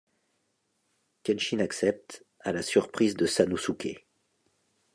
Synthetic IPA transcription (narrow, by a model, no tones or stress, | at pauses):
kʲɛnʃinaksɛp̚t̪ | alasyʁpχizd̪əsanusukʲʰḛ